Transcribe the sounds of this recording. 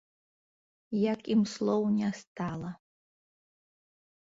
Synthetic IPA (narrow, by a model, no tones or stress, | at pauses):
jakʼimslownʲastʰʼaːla